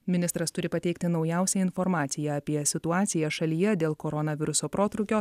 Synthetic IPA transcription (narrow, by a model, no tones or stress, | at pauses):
mʲɪnʲɪst̪ɾɐst̪ʊɾʲɪpɐt̪ʲɛɪkt̪ʲɪnɒʊjɛˑʊsʲɛɪnfɔɾmɑːt̪sʲɪjɛɐpʲiɛsʲɪt̪ʊɑːt̪sʲɪjɛʃɐlʲiːjɛd̪ʲeːlˠkoɾɔnɐʋʲɪɾʊsoːpɾoːt̪ɾʊkʲoː